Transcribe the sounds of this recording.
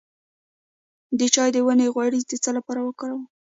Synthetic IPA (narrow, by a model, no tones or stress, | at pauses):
d̪ət͡ʃɑjd̪əwəneɣwaɽizd̪ət͡səlapɑɾawəkəɽaw